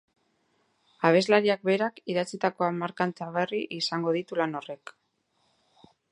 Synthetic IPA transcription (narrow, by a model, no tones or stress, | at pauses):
aβ̞e̞zlaɾiak̚be̞ɾakiðat͡sit̪ako̞amaɾkant͡s̪eaβe̞riʔisaŋɡo̞ð̞it̪ulano̞re̞k